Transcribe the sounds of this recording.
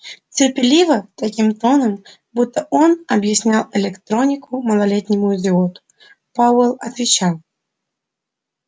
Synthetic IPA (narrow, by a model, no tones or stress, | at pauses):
t͡sʲɪrpʲɪlʲivət̪akʲimt̪onəm | but̪ʰːəʔɔnɐbjɪsʲnʲalˠɛlʲɪkt̪ɾonʲɪkʊməlˠalʲet̪ʲnʲɪmʊɪzʲɪɔt̪ʊ̥ | pawɛlˠɐt̪vʲɪt͡ɕalˠ